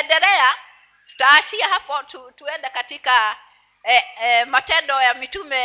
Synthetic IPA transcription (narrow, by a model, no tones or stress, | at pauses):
ɛndɛlɛa | tu̥taːʃiahapɔtutuɛndɛkatika | matɛndɔjamitumɛ